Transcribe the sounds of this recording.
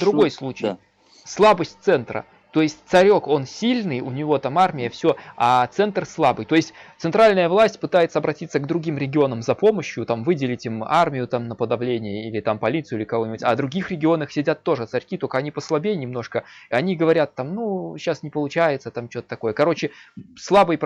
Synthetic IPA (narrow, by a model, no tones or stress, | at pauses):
d̪ɾʊɡo̞jslˠut͡ɕɪ | slˠabəsʲtʲt̪sɛnt̪ɾə̰ | t̪o̞jɪsʲtʲt̪sɐɾʲo̞ko̞nsʲilʲnɨjʊnʲɪvo̞t̪amarmʲɪjəfsʲɵat̪sɛnt̪rslˠabɨjt̪o̞jɪsʲtʲt̪sɨnt̪ɾalʲnəjəvlˠasʲtʲpɨt̪ajɪt̪səɐbɾɐtʲit̪sːəɡd̪ɾʊɡʲimɾʲɪɡʲɪo̞nəmzɐpo̞məɕjʊt̪amvɨdʲɪlʲɪtʲɪmarmʲɪjʊt̪amnəpəd̪ɐvlʲenʲɪjəilʲɪt̪ampɐlʲit̪sɨjilʲɪkɐvo̞nʲɪbutʲad̪ɾʊɡʲixɾʲɪɡʲɪo̞nəxsʲɪdʲat̪ːo̞ʐɨt̪sɐɾʲkʲit̪okəɐnʲipəslˠɐbʲejnʲɪmno̞ʂkəɐnʲiɡəvɐɾʲat̪ːamnuɕːasnʲɪpəlˠʊt͡ɕæjɪt̪sət̪amt͡ɕo̞t̪ət̪ɐko̞jəkɐɾo̞t͡ɕɪslˠabɨjp